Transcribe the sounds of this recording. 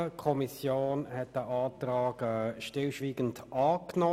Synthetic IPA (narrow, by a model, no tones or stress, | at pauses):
əkʰɔmisjoːnhɛt̚d̥əʔɑːtɾɑːɡɛʃtɪlʃʋiːɡ̥ən̩dʔɑːkno